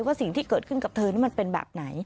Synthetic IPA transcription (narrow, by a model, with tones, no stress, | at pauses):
waː˥˩si˨˩˦ŋt̪ʰiː˥˩kɤː˨˩t̪̚kʰɯ˥˩nka˨˩p̚t̪ʰɤː˧niː˦˥ma˧npe˧nbɛ̰ː˨˩p̚na˩˦j